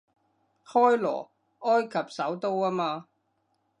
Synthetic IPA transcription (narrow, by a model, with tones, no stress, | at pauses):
hɔː˥jlɔ̰ː˨˩ | ɔː˥jkʰɐ˨p̚sɐ˨˥wt̪o˥waː˥maː˧